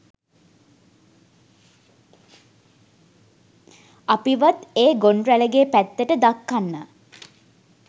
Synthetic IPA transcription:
apiʋat̪eːɡoɳɾæləɡeːpæt̪ːəʈəd̪akːanːə

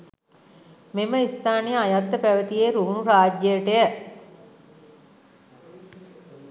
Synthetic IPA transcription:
meməist̪aːnijəajat̪ːəpæʋət̪ijeːɾuːunuɾaːd͡ʒjəjəʈəjə

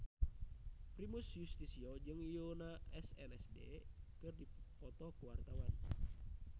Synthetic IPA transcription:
pɾimusjust̪isiɔd͡ʒɨŋijonaɛsɛnɛsdḛkɨrdipɔt̪ɔkuwart̪awan

